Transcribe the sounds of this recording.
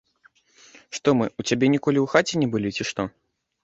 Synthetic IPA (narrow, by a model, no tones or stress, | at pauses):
ʂt̪ɔmɨut͡sʲabʲɛnʲikɔlʲiwxat͡sʲɛnʲɛbɨlʲit͡sʲiʂt̪ɔ